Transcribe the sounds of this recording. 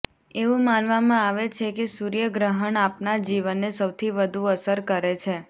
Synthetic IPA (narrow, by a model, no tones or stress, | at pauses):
eʋũmanʋamãaʋet͡ʃʰekesuɾijəɡɾəɦəɳapnad͡ʒiʋənːesəwt̪ʰiʋəd̪ʱuəsəɾkəɾet͡ʃʰe